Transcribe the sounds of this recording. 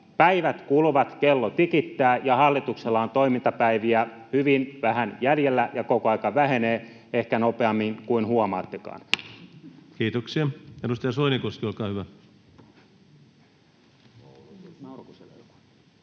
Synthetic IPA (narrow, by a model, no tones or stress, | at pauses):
pæiʋæt̪kuluʋɑt̪kelːot̪ikit̪ːæːjɑhɑlːit̪ukselːɑont̪oimint̪ɑpæiʋiæ | hyʋinʋæhænjæljelːæjɑkokoɑikɑʋæheneː | ehkænopeɑmːiŋkuinhuɑmɑ̰ːt̪ːekɑ̰ːn | kiːt̪oksiɑenust̪ɑjɑsoinikoskiolkɑːhyʋæ | kuselḛlɑ̥